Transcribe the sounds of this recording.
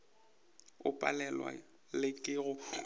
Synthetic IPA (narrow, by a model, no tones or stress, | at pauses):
ʊpʼa̰lɛlwa̰ | lɪkʼɪɣʊ